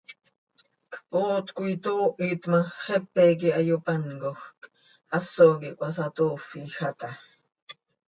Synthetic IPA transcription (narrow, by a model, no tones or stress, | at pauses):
kpoːt̪kʷuit̪oːʔit̪mɑχepekiɑjopɑnkoxk | ʔɑsoːkiʔkʷɑsɑt̪oːfixat̪ɑ